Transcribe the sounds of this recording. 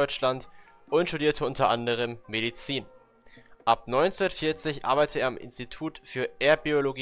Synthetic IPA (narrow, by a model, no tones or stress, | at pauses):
ɔʏt͡ʃlant | ʔʊntʃtudiːɐtʰəʊntɐʔandəʁ̞əmːeɾit͡siːn | ʔapnɔʏnt͡sunɐtfɪɐt͡sɪçʔa̰ɐbaɪtʰəeːɐamʔɪ̰nstitʰuːtfyːɐʔeːɐbioloɡi